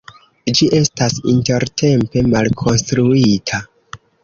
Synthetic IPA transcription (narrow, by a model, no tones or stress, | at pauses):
d͡ʒiʔe̞stasḭnte̞ɾtʰe̞mpe̞malkʰo̞nstɾuitʰa